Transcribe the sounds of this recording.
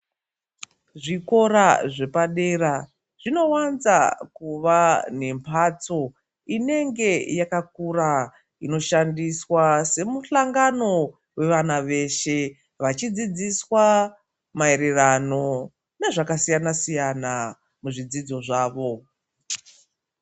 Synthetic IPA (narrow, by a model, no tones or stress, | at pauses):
ʐiko̞ɾaʐe̞paɗe̞ɾa | ʐ̥ino̞wanzakuʋane̞mpʰat͡so̞ | ine̞ŋɡe̞jakak̚uɾa | ino̞ʃandiswase̞muɬaŋɡano̞ | we̞ʋanaʋe̞ʃe̞ | ʋat͡ʃid͡zid͡ziswa | mae̞ɾe̞rano̞ | ne̞ʐakasijanasijana | muʐid͡zid͡zo̞ʐaːʋo̞